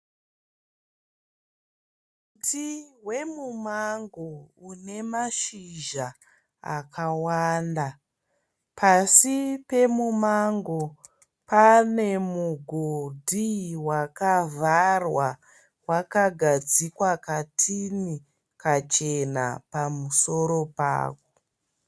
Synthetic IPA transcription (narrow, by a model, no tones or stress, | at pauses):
utʰiɦwe̞mumaŋɡoune̞maʃiʒa | akʰawaːnda | pasipe̞mumaŋɡo | pane̞muɡʱodʱiwakavʱarwa | wakaɡʱad͡zikwakatʰini | kat͡ʃe̞na̰pamuso̞ɾo̞pa̰ːko